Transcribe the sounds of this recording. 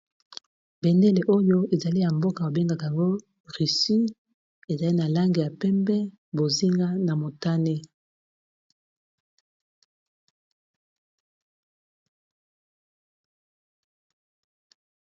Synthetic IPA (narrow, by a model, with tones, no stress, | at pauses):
bɛ˨nde˦le˨ʔo˦jo˦e˨za˨li˦ja˨mbo˦ka˨o˨be˦ŋɡa˨ka˨ja˨ŋɡo˦ | ʁi˨si˦ | e˨za˨li˦na˨la˦ŋɡe˨ja˨pɛ˦mbɛ˦ | bo˨zi˦ŋɡa˦na˨mo˨ta˦ne˦